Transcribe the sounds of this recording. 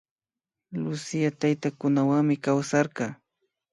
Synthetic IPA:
lʊsɪjat̪ajt̪akʊnawaŋmɪkawsɑɾɢɑː

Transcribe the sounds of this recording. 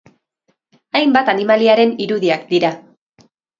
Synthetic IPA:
ajmbat̪animaliaɾe̞niɾuðiakd̪iɾa

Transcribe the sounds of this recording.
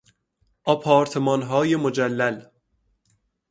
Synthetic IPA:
ʔɒpʰɒːɾt̪ʰemɒːnɦɒːjemod͡ʒælːæl

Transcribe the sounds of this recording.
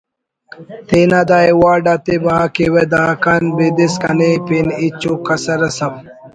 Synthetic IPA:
t̪inad̪aewaːɖat̪ibakiwed̪aːkanbid̪iskɐnepinit͡ɕukːɐsɐɾɐsɐb̚

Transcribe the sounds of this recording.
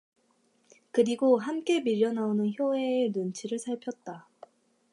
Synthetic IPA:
kɯɾiɡoɦamk͈e̞miʎːʌnaonɯnçjoɦe̞ːnunt͡ɕʰiɾɯɭsʰaɭpʰjʌt̚t͈a

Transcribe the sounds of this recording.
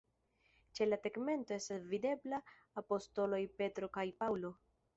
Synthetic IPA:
t͡ʃe̞lateɡme̞nto̞e̞stasvide̞blaː | po̞sto̞lo̞jpe̞tɾo̞kajpawlo̞

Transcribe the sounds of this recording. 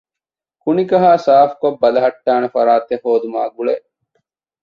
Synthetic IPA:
kunikɐɦaːsaːfkobːɐlɐɦɐʈːaːnefɐɾaːt̪ehoːd̪uma̰ːɡuɭeʔ

